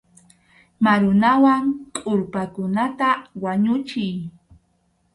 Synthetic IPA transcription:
maɾʊnawaŋkʼʊɾpakʊnat̪awaɲʊt͡ʃɪj

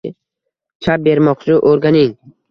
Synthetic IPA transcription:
t͡ʃʰap̚be̞ɾmɒqt͡ʃʰɪʔoɾɡʲanɪŋ

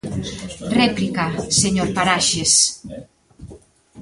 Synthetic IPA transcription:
rɛplikaseɲoɾpaɾaʃes

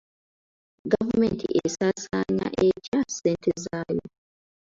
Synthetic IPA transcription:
ɡavumentʰḭʔesasaːɲa̰ʔecaseːntʰezaːjo̰

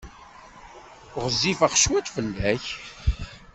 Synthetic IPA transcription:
ʊʁəzːifəχʃwæt͡s̪fəlːæç

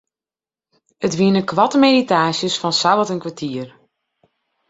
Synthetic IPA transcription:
ətʋiənəkʋɑtəmeditaːsjəsfɔnsabətənkʋatʰiər

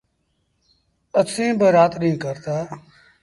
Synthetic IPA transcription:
əsĩːbəɾaːt̪nĩːkəɾt̪aː

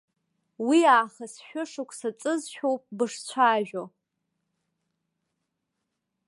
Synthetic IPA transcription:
wiaːχasʃᶣʊʂɨkʷʰʼsat͡sʼɨzʃᶣowpʼbɨʂt͡ɕʷʰaːʒᶣo

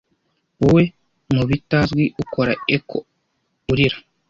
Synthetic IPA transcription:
uwe | muβitazɡwiʔukoɾaekʰo̰ | uɾiɾḁ

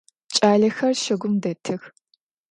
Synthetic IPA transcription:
t͡ʃʼaːɮɐxɐrʃɐɡʷʊmdɐtʰɨx

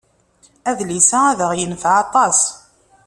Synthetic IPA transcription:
æðlisææðəʁjənθʕɑt̪ˤɑs

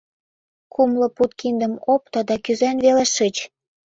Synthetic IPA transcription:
kumlŏput̪̚kind̪ə̆mop̚t̪ɤ̆d̪ɑkyzænβelĕʃət͡ɕ

